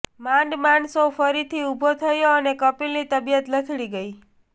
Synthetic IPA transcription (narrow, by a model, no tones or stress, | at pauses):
mãɳɖmãɳsofəɾit̪ʰiubʱot̪ʰəjoənekəpilnit̪əbijət̪lət̪ʰɽiɡəi